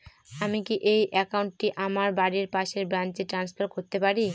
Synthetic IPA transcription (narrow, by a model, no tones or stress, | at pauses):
amikiʔejʔɛkauɳʈ̚ʈːiʔamaɾbaɾiɾpaʃeɾbɾant͡ɕeʈɾanspʰaɾkoɾt̪epaɾi